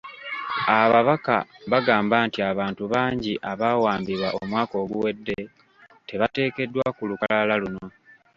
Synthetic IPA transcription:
aβaβaka̰βaɡaːmbaːntiaβaːntuβaːɲɟiʔaβaːwaːmbiβwaʔomwaːko̞ːɡuwe̞dːe̞ | te̞βate̞ːke̞dːwakulukalalaluno̞

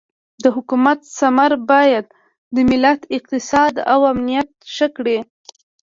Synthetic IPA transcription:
d̪əɦʊkumat̪samaɾbɑjad̪̚ː | əmɪlat̪ɪq̚t̪ɪsɑd̪a̰wamnijat̪̚ʃəkɽe

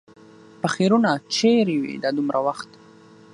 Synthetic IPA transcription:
paxeɾunat͡ʃeɾiwḭd̪ɑd̪umɾʔawaxt̪

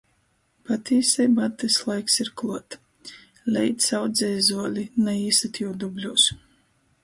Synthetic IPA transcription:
pat̪ʰʲiːsʲɛjbat̪ːɛslˠajksiɾklˠuɔt̪ | lʲɛjt̪sawd̪zʲɛjzuɔlʲinɛiːsat̪jud̪ublʲuːs

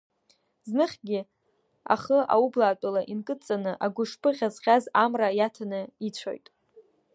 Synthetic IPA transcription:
znɨχʲɡʲɪ | a̰χəʔa̰ublaːtʷʼalaʔinkʼɨt͡sʼanɨʔaɡʷʊʂpʰɨʁʲazʁʲazamrajatʰanɨit͡ɕʷʰo̰jtʼ

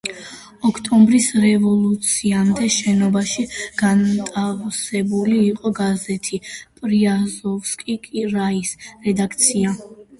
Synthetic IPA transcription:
ɔkʰt̪ʼɔmbɾisɾɛvɔlˠut̪sʰiamd̪ɛʃɛnɔbaʃiɡ̥ant̪ʼavsɛbuliːqʼɔɡazɛt̪ʰipʼɾiazɔfskʼikʼiɾaisɾɛd̪ak̚ʰt̪sʰia

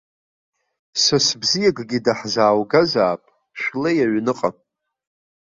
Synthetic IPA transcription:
sasbzijaɡʼɡʲidaħzaːwɡazaːpʼ | ʃʷᶣlejaɥnɨqʼam

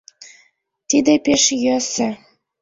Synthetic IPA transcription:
t̪id̪epeʃjøsɘ̆

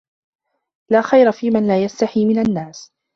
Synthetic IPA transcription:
laːxajɾafiːmanlaːjast̪aħiːmɪnanːaːs

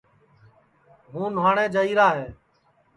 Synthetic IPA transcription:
ɦũːnwaːɳẽːd͡ʒəiːɾaːɦeː

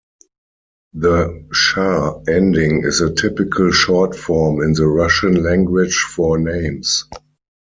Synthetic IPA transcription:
ðəʃaɛ̃ndɪ̃ŋɪ̰zətʰɪpɪkʰəlʃɔtfɔɹmɪ̃nðəɹaʃə̃nlæ̃ŋɡwɪd͡ʒfɔnẽɪ̃ms

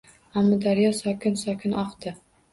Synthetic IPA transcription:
amːɒd̪aɾjɒsɒkʰʲɪnsɒkʲʰɪnʔɒqt̪ɪ

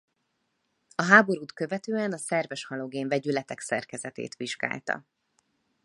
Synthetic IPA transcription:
ɒɦaːbo̞ɾuːt̪kø̞vɛt̪øːɛnɒsɛrvɛʃhɒloɡeːɱvɛɟylɛt̪ɛksɛ̰rkɛzɛt̪ḛːt̪ʋiʒɡa̰ːlt̪ɒ̰

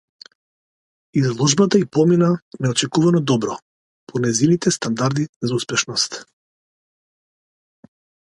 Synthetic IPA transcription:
izlˠɔʒbat̪aipɔminanɛɔt͡ʃɛkuvanɔd̪ɔbɾɔ | pʰɔnɛzinit̪ɛst̪and̪aɾd̪izauspɛʃnɔst̪

